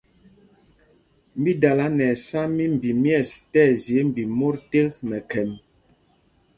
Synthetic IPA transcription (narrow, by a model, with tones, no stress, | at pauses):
m˦bi˦da˨la˨˦nɛ˨sa˦mi˦m̩˨bi˨mjɛ˦˨stɛ˦˨zje˨˦m̩˨bi˨mo˦ɾte˦kmɛ˨kɛ˨m